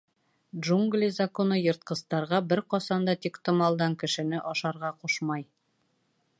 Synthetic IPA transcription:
dʒuŋɡlʲizɐkonɤjɤ̆ɾt̪̚qɤ̆st̪ɑɾʁɑbɘɾqɒsɑnd̪ɑt̪ikt̪ŏmɑlˠd̪ɑŋkɘ̆ʃɘ̆nɘʔɒʃɑɾʁɑqoʃmɑj

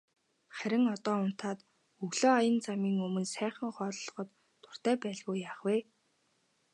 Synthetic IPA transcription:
χæɾʲɪ̆ŋɔt̪ɔːʊn̥t̪ʰaːt̪ | ɵɣɮoːajə̆nt͡samiːŋɵmɵ̆nsæːχə̆ŋχɔːɮɮɞ̆χɞ̆t̪ːʰ | ʊ̥r̥t̪æːpæːɮɣuːjaːχweː

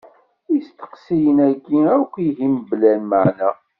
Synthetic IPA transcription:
ist̪ə̥qsijənækːiækʷːiɦimblælməʕnæ

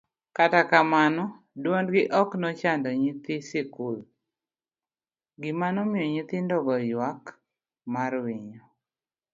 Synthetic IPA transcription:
katakamanɔ | dwondɡɪʔɔknɔt͡ʃandɔɲit̪ɪsɪkul | ɡɪmanɔmɪjɔɲit̪ɪndɔɡɔjwak | maɾwɪɲɔ

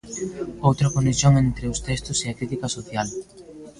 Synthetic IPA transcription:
owt̪ɾɐkonesjoŋent̪ɾeʊst̪ɛst̪ʊseɐkɾit̪ikɐsoθjal

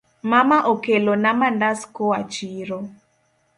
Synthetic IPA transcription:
mamaʔokelonamandaskoat͡ʃiɾo

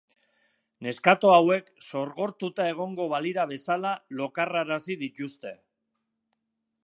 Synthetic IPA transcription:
ne̞skat̪o̞awe̞kso̞ɾɣo̞ɾt̪ut̪ae̞ɣ̞o̞ŋɡo̞βaliɾaβ̞e̞salalo̞karaɾasiðic̪ust̪e̞

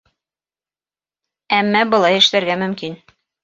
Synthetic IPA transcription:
æmːæbɤ̆lˠɑjɘ̆ʃlæɾɡæmɵ̆mkin

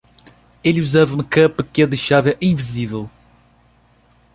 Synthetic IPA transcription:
eluzavɐũmɐkɐpɨkɛðɐjʃavɐʔĩvizivɛlˠ

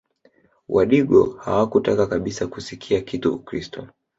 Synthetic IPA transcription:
wʔa̰ɗiɠɔ̰ha̰wakutakakaɓisakusikʰiakituukɾistʰɔ̰

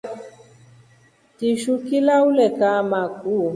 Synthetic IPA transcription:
tiʃukilaulɛkamakʼu

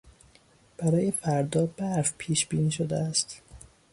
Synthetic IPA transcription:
b̥æɾɒːje̞fæɾd̪ɒːbæɾfpʰiːʃbiːniːʃod̪ḛæst̪

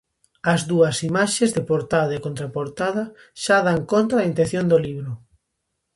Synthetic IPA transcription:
ɐzðuɐsimaʃezðepoɾt̪aðɐekõnt̪ɾapoɾt̪aðɐ | ʃaðaŋkont̪ɾɐɐint̪ẽnθjond̪oliβɾʊ

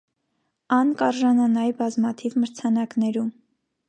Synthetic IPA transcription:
ɑnkɑɾʒɑnɑnɑjbɑzmɑt̪ʰivməɾt͡sʰɑnɑknɛɾum

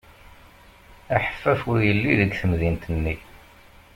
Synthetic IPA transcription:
æħə̥fːæfʊɾjəlːiðəɡθəmðint̪ənːi

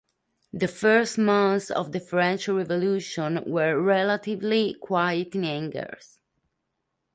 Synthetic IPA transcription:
d̪əfɜɹstmãnθsɔ̰vd̪əfɹɛ̃nt͡ʃɹɛvɔluʃɔ̃nwəɹːɛlat̪ivlikʰwajət̪ĩnæ̃ŋɡə̰ɹs

